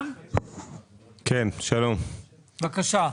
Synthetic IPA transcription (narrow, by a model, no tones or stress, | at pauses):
kʰenʃɐlom | bɐkaʃaː